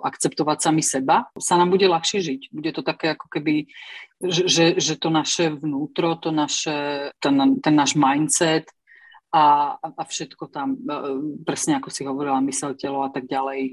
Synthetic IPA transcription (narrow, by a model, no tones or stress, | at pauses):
ʔa̰kt͡sɛp̚t̪ɔʋacsamisɛbasanaːmbuɟɛlaxʃɪɛʒiɟbuɟɛt̪ɔt̪akɛːakɔ̥kɛbi | ʒɛʒɛʒɛt̪ɔnaʃɛʋnuːt̪ɾɔt̪ɔnaʃɛt̪ɛnt̪ɛnːaːʒmajnt̪t͡sɛt̪ | aaʔafʃɛt̪kɔt̪ampɾɛsɲɛakɔsiɦɔʋɔɾilamisɛlcɛlɔat̪aɡ̚ɟalɛj